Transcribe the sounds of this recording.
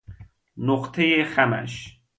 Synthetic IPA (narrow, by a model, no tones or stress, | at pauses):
noqt̪ʰejeχæmæ̰ʃ